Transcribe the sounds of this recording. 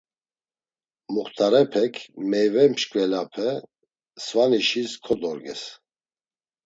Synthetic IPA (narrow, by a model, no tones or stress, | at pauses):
muχt̪ʰaɾɛpʰɛkʰmɛjvɛmʃkʼvɛlapʰɛ | svaniʃiskʰɔd̪ɔɾɡɛ̰s